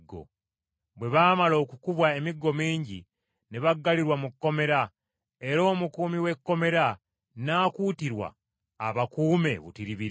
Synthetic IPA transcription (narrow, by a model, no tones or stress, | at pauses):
ɡo̰ | βwe̞βaːmalo̞ːkukuβwae̞miɡːo̞miːɲɟḭ | neβaɡːaliɾwamukːo̞me̞ɾa | e̞ɾo̞ːmukuːmiwe̞kːo̞me̞ɾa | naːkuːtiɾwa̰ː | βakuːme̞̰βṵtiɾiβi